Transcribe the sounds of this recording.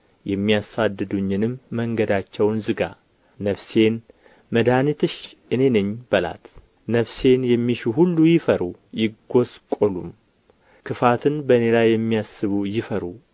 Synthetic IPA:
jɛmːijasad̪ːɨd̪uɲːɨnɨmːəŋɡəd̪at͡ʃːɛwnzɨɡa̰ | nəβse̞n | məd̪anit̪ʰɨʃʔɨne̞nɨɲːb̥əla̰t̪ | nəβse̞njɛmːiʃuɦulːujɪfəɾujɪɡːo̞skʼolum | kʰɨfat̪ʰɨnbəne̞lajːɛmːijasːɨβujɪfəɾu

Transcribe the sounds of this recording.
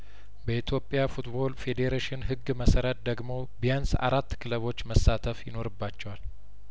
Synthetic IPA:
bəit̪ʰjo̞pʼːjafut̪bo̞lfe̞d̪eɾeʃɪnɦɨɡːməsəɾət̪̚d̪əɡmo̞bijansa̰ɾat̪ːkʰɨləβo̞t͡ʃːməsːat̪ʰəfjɪno̞ɾɨbːat͡ʃːɛwal

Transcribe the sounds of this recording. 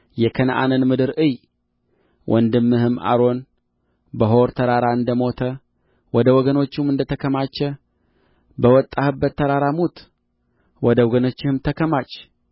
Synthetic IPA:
jɛkʰənʔa̰nənmɨd̪ɨɾʔɨj | wʔɔnd̪ɨmːɨhɨma̰ɾo̞n | bəɦo̞ɾt̪ʰəɾaɾaɨnd̪əmo̞t̪ʰə | wɔd̪əwɔɡəno̞t͡ʃːumɨnd̪ət̪ʰəkʰəmat͡ʃːɛ | bəwɔt̪ʼːahɨbːət̪ʰːəɾaɾamut̪ | wɔd̪əwɔɡənot͡ʃːɪhɨmt̪ʰəkʰəmat͡ʃː

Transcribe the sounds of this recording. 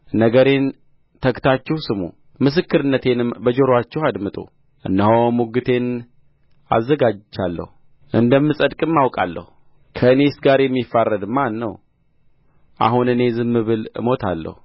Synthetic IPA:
nəɡəɾe̞n | t̪ʰəkt̪ʰat͡ʃːɛwsɨmṵ | mɨs̬ɨkːɨɾɨnːət̪ʰe̞nɨmbəd͡ʒoɾoat͡ʃːɛhad̪mɨt̪ʼṵ | ʔɨnːəɦomuɡɨt̪ʰe̞n | a̰zːəɡad͡ʒd͡ʒalːə̰hu | ʔɨnd̪əmːɨsʼəd̪kʼɨmːawkʼa̰lːə̰hu | kʰəɨne̞sɡaɾjɛmːifːarːəd̪manːəw | ʔa̰ɦunɨne̞zɨmːɨβɨlɨ̰mo̞t̪ʰa̰lːə̰hu

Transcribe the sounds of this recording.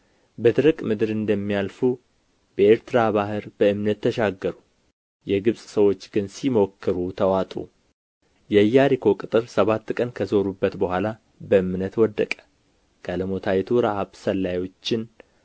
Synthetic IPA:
bəd̪ɨɾɨkʼmɨd̪ɨɾɨnd̪əmːijalfu | bəe̞ɾt̪ɨɾaβaɦɨɾb̥əɨmnət̪ːəʃaɡːəɾu | jɛɡɨβsʼsəwo̞t͡ʃːɡ̥ɨnsimo̞kːɨɾut̪ʰəwat̪ʼṵ | jɛjːaɾikʰo̞kʼɨt̪ʼɨɾsəβat̪ːkʼənkʰəzo̞ɾubːət̪bəhʷala | bəɨmnət̪wɔd̪ːəkʼə̥ | ɡ̥aləmo̞t̪ʰajɛt̪ʰuɾaʔaβsəlːajo̞t͡ʃːɪn

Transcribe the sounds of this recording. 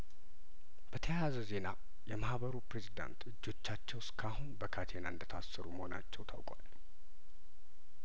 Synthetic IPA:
b̥ət̪ʰəjazəze̞na | jɛmahbəɾupɾe̞zid̪a̰nt̪ɨd͡ʒːo̞t͡ʃːat͡ʃːɛwskʰahunbəkʰat̪ʰe̞naɨnd̪ət̪ʰasːəɾuməho̞na̰t͡ʃːɛwt̪ʰawkʼal

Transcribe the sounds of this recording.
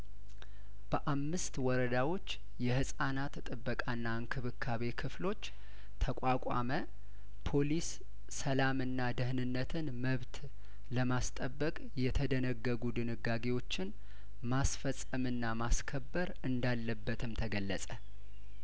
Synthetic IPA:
b̥əʔamːɨst̪wɔɾəd̪awo̞t͡ʃː | jɛhɨsʼanat̪t̪ʼɨbːəkʼanːaɨŋkʰɨβɨkʰːaβe̞kʰɨflo̞t͡ʃː | t̪ʰəkʷʼakʼa̰mə | pʰo̞lisː | əlamɨnːad̪ɨhnɨnːət̪ʰɨnməβt̪ | ləmast̪ʼəbːəkʼjɛt̪ʰəd̪ənəɡːəɡud̪ɨnɨɡaɡe̞wo̞t͡ʃːɪn | masfəsʼəmɨnːamaskʰəbːəɾɨnd̪alːəbːət̪ʰɨmt̪ʰəɡəlːəsʼə

